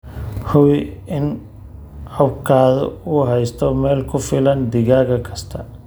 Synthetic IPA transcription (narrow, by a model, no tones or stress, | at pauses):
hʊwɪɪn | ɐbkʰaːðɔ̰ʊɦɛjst̪ʰɔmɛːlkʰʊfɪlɐnd̪ɪɣaːɣɐkʰɐst̪ʰɐ